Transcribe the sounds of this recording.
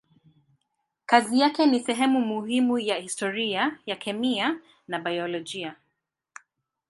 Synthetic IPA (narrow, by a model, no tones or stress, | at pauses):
kazijakɛnisɛɦɛmumuhimujahistɔɾiajakʰɛmia | nabajɔlɔd͡ʒia